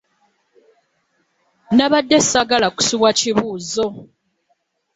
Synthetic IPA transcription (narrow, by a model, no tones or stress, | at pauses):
naβadːesaɡalaku̥siβwaciβuːzo